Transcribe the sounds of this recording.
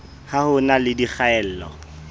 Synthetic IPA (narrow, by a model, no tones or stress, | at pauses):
hahʊnalɪdik͡xaɛl̩ːlɔ̰